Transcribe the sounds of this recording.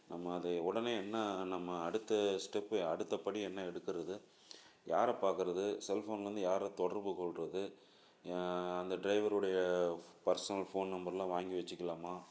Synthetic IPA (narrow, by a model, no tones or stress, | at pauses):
nɐmːɐːðɐʊɽɐneːɛnːɐnɐmːɐːɽɯt̪ːɐsʈɛpːɯɐɽɯt̪ːɐpɐɽiɛnːɐɛɽɯkːɪɾɐðɯ | jaːɾɐpaːɾkɯɾɐðɯsɛlfoːnɾɯnd̪ɯjaːɾɐt̪ɔɽɐɾpɯkɔɭɾɐðɯ | ɐnd̪ɐɖɾɐɪʋɐɾɯɽɐjɐpɐɾsɔnɐlfoːnnɐmbɐɾɪlãːʋaːŋɡiʋɐt͡ʃːɯkːɐlaːmaː